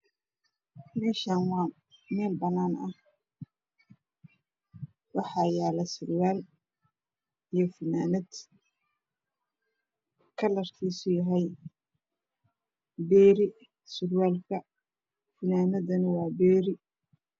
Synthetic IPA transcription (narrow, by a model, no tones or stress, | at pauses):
mɛːʃaːnwɑː | mɛːlbɐnaːnɐh | wɑħɑjaːlɛsʊɾwaːl | ijɞfɪnaːnɐd̪ | kʰɐlɐrkʰiːsʊjɐɦɛj | bɛːɾɪ | sʊɾwaːlkʰɐ | fɪnaːnɐdɐnɪwɑːbɛːɾɪ